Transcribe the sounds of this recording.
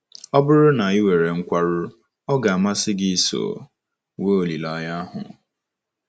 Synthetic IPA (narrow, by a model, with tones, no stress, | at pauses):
ɔ˦bʊ˦ɾʊ˦na˨i˦we˨ɾe˨ŋ̩˦kʷa˦ɾʊ˦ | ɔ˦ɡa˨a˨ma˦sɪ˦ɡi˦i˨so̰ː˨ | we˦o˨li˨la˦˨˦ja˦ɦʊ̰˨